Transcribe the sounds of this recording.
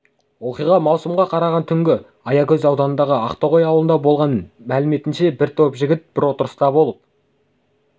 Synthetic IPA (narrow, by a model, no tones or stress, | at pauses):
wo̞qijʁɑmɑwsəmʁɑqʰɑɾɑʁɑnt̪ʰʏŋɡʲɪ | ɑjɑkʲʰɵzɑwd̪ɑnənd̪ɑʁəɑqt̪oʁojɑwlənd̪ɑbo̞lˠʁɑnmælɪme̞t̪ɪnʃe̞bɪɾt̪ʰo̞pʒɪɡʲɪt̪̚b̥ɪɾwo̞t̪əɾəst̪ɑbo̞lˠəp̚